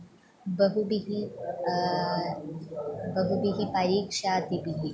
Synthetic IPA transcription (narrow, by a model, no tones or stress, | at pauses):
bəɦubiɦi | bəɦubiɦipaɾiːkʂat̪ibiɦi